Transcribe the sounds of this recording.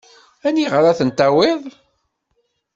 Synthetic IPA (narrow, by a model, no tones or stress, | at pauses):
æniʁəɾæθənt̪æwɪðˤ